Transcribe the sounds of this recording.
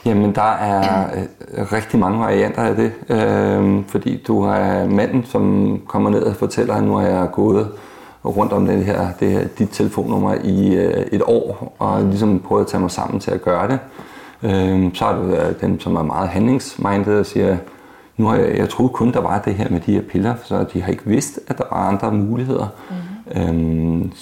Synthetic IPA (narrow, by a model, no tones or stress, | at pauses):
jæmend̥ɑ̈æɐ | ʁɛɡ̥̚d̥imɑ̈ŋəʋɑ̈ʁiæn̰d̥ɐæd̥e̝øfɒ̽d̥ḭːd̥uɑɐmæn̰n̩sɒ̽mkʰɒ̽m̰ɐne̝ð̞̰ˠɒfɒ̽t͡sʰel̰ɐnuhɑ̈jɑ̈ɪɡ̥ɔ̽ːð̩ˠ | ʁɔ̽n̰d̥ɒ̽md̥enɦeɐ̰d̥e̝heɐ̰d̥id̥t͡sʰe̝ləfo̝̰ːnːɔ̽m̰ɐʔie̝d̥ɒ̰ːʔɒ̽lis̬ɒ̽mpʰʁœːð̩ˠɐt͡sʰɛmɑ̈ɪsɑ̈m̰n̩t͡sʰe̝læɡ̥ɶːɐɾ̥e̝ | øsɒ̽hɑd̥ud̥emsɒ̽mæmɑ̈ːð̞̩ˠɦænle̝ŋsmʔɑ̈ɪnd̥ð̩ˠɒsiːɐ | nuhɑjɑ̈ɪt͡sʰʁo̝ːð̩ˠkʰɔ̽nd̥ɑ̈ʋɑ̈d̥e̝ɦeɐ̰med̥ihe̝ɐ̰pʰe̝lɐsɒd̥iɦɑ̈e̝ɡ̥əʋe̝sd̥æd̥ɑ̈ʋɑ̈ɑ̈nd̥ʁɐmuːlihe̝ð̞̰ˠɐø